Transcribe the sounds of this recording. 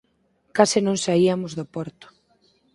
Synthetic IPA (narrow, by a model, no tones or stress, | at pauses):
kasɪnõŋsaiamʊzðopɔɾt̪ʊ̥